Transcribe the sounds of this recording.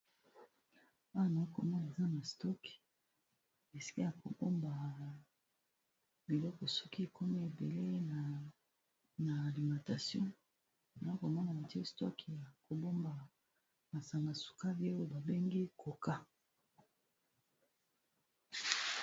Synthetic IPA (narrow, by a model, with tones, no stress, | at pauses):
a˦˨na˨a˦ko˨mɔ˦na˨e˨za˦na˨stɔ˦ki̥˨ | e˨si̥˦ki˦ja˨ko˨bo˦mba˨ | bi˨lɔ˦kɔ˨sɔ̥˦ki˦e˨kʰɔ˦mi˦e˨be˨le˦˨ | naː˨li˨mã˨ta˨sjɔ̃˦ | na˨i˦ko˨mɔ˦na˨a˨te˦stɔ̰˦ki˨ja˨ko˨bo˦mba˨ | ma˨sa˨ŋɡa˨su̥˨ka˦bi˦e˦o˦e˦ba˨be˦ŋɡi˦ko˨ka˦